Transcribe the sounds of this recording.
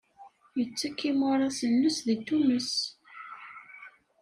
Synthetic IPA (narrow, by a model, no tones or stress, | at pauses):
jət͡sːækːimʊɾˤɑsənːusðit̪uməs